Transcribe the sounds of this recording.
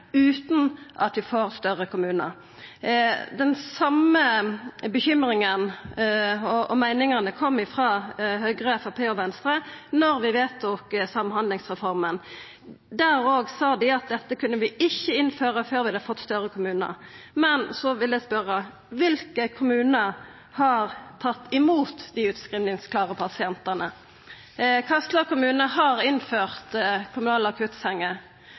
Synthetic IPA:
ʉːt̪n̩ʔɑt̪ʋɪfoːɾst̪œʁəkʰʊmʉːnə̰ɾ | d̪ɛnsɑməbəçʏmɾɪŋən | ɔɔmæɪnɪŋənəkʰɔmːɪfʁɑːɦœɡʁəɛfɑpʰeːɔʋɛnst̪ɾənɔɾʋɪʋeːt̪̚ɔksɑmːhɑnd̪lɪŋsʁɛfɔʁmən | d̪æɾoːɡsɑːd̪ɪɑt̪̚d̪ɛt̪ːəkʰʉnːəʋɪɪçːəɪnføːʁəføːɾʋɪɑd̪əfɔt̪ːst̪œʁəkʰʊmʉːnə̰mɛnsɔʋɪld̪ɛspœɾːə | ʋɪlkəkʰʊmʉːnə | hɑʁt̪ʰɑt̪ːɪmuːt̪d̪ɪʉːt̪skʁiːʋnɪŋskʰlɑːʁəpʰɑsɪɛnt̪ənə | kʰɑst̪ləkʊmʉːnəɦɑɾɪnføːʁt̪kʰʊmʉnɑːlɑkʰʉt̪sɛŋːə

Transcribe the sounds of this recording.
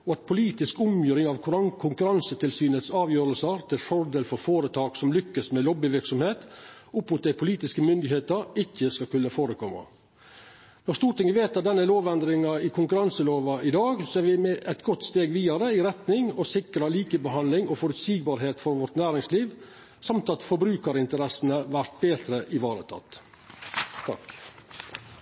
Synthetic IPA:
ɔɑt̪̚pʰʊliːt̪ɪskʊmjøːɾɪŋɑʋkʰʊɾɑkʰʊŋkʉɾɑnsət̪ʰɪlsyːnət̪sɑːʋjøːɾəlsəɾt̪ʰɪlfɔɾd̪eːlfɔɾfoːɾət̪ʰɑːksɔmlʏkːəsmɛlɔbɪʋɪɾksɔmheːt̪ʊpmʊt̪d̪æɪpʰʊliːt̪ɪskəmʏnd̪ɪheːt̪əɾɪçːəskɑkʉnːəfoːɾəkʰɔmːɑ̰ | nɔɾst̪uːɾʈ̪ɪŋəʋeːt̪ɑt̪̚d̪ɛnːəloːʋɛnd̪ɾɪŋɑɪkʰʊŋkʉɾɑnsəloːʋɑʔɪd̪ɑːɡsɔæɾʋɪmɛʔɛt̪ɡɔt̪ːst̪eːɡʋiːɑɾəɪɾɛt̪nɪŋɔsɪkɾɑliːkəbəɦɑnlɪŋɔfɔɾʉt̪siːɡbɑːɾɦeːt̪fɔɾʋɔɾʈ̪næːɾɪŋsliːʋ | sɑmt̪ɑt̪fɔbɾʉːkəɾɪnt̪əɾɛsn̩əʋæɾt̪̚beːt̪ɾəʔɪʋɑːɾə̰t̪ʰɑ̰t̪ː | t̪ʰɑ̰k

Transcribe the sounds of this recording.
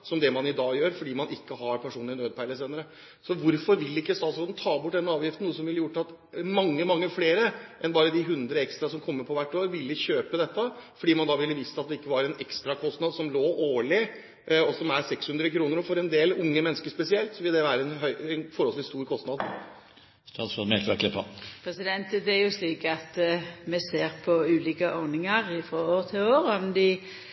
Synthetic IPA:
sɔmd̪ɛmɑnɪd̪ɑːjøːɾfɔɖiːmɑnʔɪkːəɦɑɾpʰæʂuːnlɪnøːd̪̚pʰæɪləseːnəɾə | sɔʋʊɾfɔɾʋɪlːɪkːəst̪ɑːt̪soːd̪n̩t̪ʰɑːbʊʈ̚ːd̪ɛnːɑːʋjɪft̪n̩uːəs̬ɔmʋɪlːəjʊʈːɑt̪ | mɑŋːəmɑŋːəfleːɾəʔɛnbɑːɾəd̪ɪɦʉnd̪ɾəɛkst̪ɾɑsɔmkʰɔmːəɾpʰɔʋæʈːoːɾʋɪlːəçøːpəd̪ɛt̪ːəfɔɖiːmɑnd̪ɑʋɪlːəʋiːst̪əɑt̪d̪ɛɪkːəʋɑɾɛnɛkst̪ɾɑkʰɔst̪nɑd̪sɔmloːʔoːɭɪ | ɔsɔmæɾsɛkshʉnd̪ɾəkʰɾuːnəɾɔfɔɾɛnd̪eːlʊŋːəmɛnːəskəʂpɛsɪɛlt̪sɔʋɪld̪ɛʋæːɾəɛnɦœʏɛnfɔɾhɔlt̪ɪst̪uːɾkʰɔst̪nɑd̪ | st̪ɑːsɔmɛk̪ɾɑkʰlɪpːɑ̰pʰɾɛsɪd̪ɛnt̪əd̪ɛæɾjʊsliːkɑt̪mɛseːɾpʰɔʉːliːkəʔɔʁnɪŋɑɾɪfɾɔoːɾt̪ʰɪloːɾɔmd̪ɪ

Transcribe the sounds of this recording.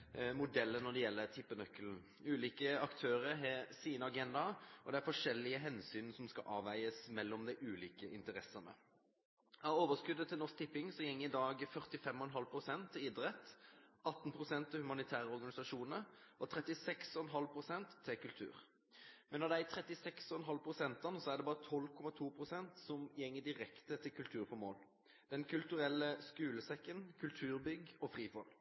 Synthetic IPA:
mʊd̪ɛlːənɔd̪ɛjɛlːət̪ʰɪpːənœkəln̩ | ʉːliːkəɑkt̪ʰøːɾəɾɦɛsiːnəɑɡɛnd̪ɑɔ̰d̪ɛæɾfɔʂɛlːɪəɦɛnsyːnsɔmskɑ̰ʔɑːʋæɪəsmɛlːɔmd̪æɪʔʉːliːkəʔɪnt̪əɾɛsənə̰ | ɑoːʋəskʉd̪ːət̪ʰːɪlnɔsk̚t̪ʰɪpːɪŋsɔjɛŋːəɪd̪ɑːɡfœʁt̪ɪfɛmːɔɛnɦɑlpʰʁʊsɛnt̪ʰːɪɪd̪ɾɛt̪ːɑt̪n̩pʰʁʊsɛnt̪ʰːɪhʉmɑnɪt̪ʰæːʁəɔʁɡɑnɪsɑʂuːnəɾʔɔt̪ʰʁɛt̪ɪsɛksɔɛnɦɑlpʰʁʊsɛnt̪ʰːɪkʉlt̪ʰʉ̰ːʁ | mɛnːɔd̪ɛæt̪ʰʁɛt̪ɪsɛksɔɛnɦɑlpʰʁʊsɛnt̪ɑnəsɔæʁd̪ɛbɑːʁət̪ʰɔlːkʰɔmɑt̪ʰuːpʰʁʊsɛnt̪sɔmjɛŋːəd̪ɪʁɛkt̪ət̪ʰɪlkʰʉlt̪ʰʉːʁfɔmo̰ːl | d̪ɛnkʰʉlt̪ʉʁɛlːəskʉːləsɛkːənkʰʉlt̪ʰʉːɾbʏɡɔfʁiːfɔl

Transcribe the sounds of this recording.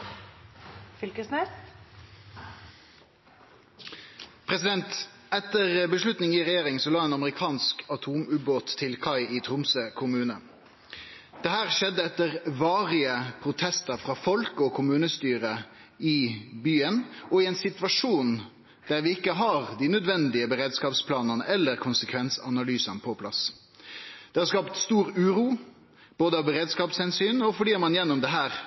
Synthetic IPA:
fʏlkəsne | pʰʁɛsɪd̪ɛnt̪ | ɛt̪əʁbəʂlʉt̪nɪŋɪʁɛjeːʁɪŋsɔlɑːeːnɑməʁɪkʰɑːnskɑt̪ʰuːmʉːboːt̪ʰːɪlkʰɑɪit̪ʰʁʊmsəkʰʊmʉːnə | d̪̥ɛhæːʁʃɛd̪ːəɛt̪əʁʋɑːʁɪəpʰɾʊt̪ʰɛst̪əɾfɾɑːfɔlkɔkʰʊmʉːnəst̪yːɾə | ɪbyːənɔɪɛɪnsɪt̪ʋɑʂuːn | d̪̥æɾʋɪɪkːəɦɑʁd̪ɪnœd̪ʋɛnd̪ɪəbəʁeːd̪skɑːpspʰlɑːnəʁnəʔɛlːəʁkʰʊnsəkʰʋɛnsɑnɑlyːsənpʰɔpʰlɑs | d̪̥ɛhɑɾskɑːpt̪st̪uːɾʉːɾuː | b̥oːd̪əɑʋbəʁeːd̪skɑːpshɛnsyːnɔfɔɖiːɑmɑnjɛnːʊmd̪ɛɦæːʁ

